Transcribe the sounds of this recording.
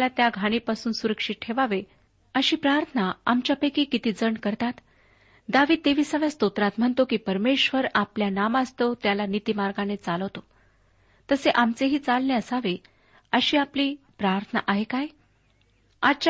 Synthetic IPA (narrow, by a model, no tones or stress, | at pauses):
lat̪jaɡʱaɽ̃ipasuːnsuɾəkʂit̪̚ʈʰeʋaʋe | əɕiːpɾaɾt̪ʰənaa̰mt͡ɕjapəkiːkit̪iːd͡zəɳkəɾt̪at̪ | d̪aʋiːd̪̚t̪eʋiːsaʋjast̪ot̪ɾat̪m̤əɳt̪okiːpəɾmeɕʋəɾapljanamast̪ot̪jalanit̪imaɾɡanet͡saləʋt̪o | t̪əseʔamt͡seɦiːt͡salneəsaʋe | əɕiːapliːpɾaɾt̪ʰəna̰ʔaɦekaj | a̰t͡ɕa